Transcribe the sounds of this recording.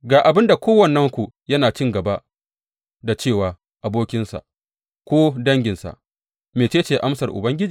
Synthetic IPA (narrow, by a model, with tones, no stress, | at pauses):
ɡaː˨ʔa˨bɪ˦nda˨kʷoː˦wɐ˦˨nːɐ˦ŋkʷu˨jɐ˦naː˨t͡ʃɪ˦ŋɡɐ˨ba˦ʔ | da˨t͡ʃeː˦˨waː˨ | ʔa˨boː˦kʲɪ˦nsa̰˨ʔ | kʷoː˦dɐ˦ŋɡʲɪ˨nsa̰˨ʔ | meː˨t͡ʃeː˦t͡ʃeː˨ʔa˦msɐ˨rʔʊ̰˨bɐ˦ŋɡʲɪ˦d͡ʒiː˨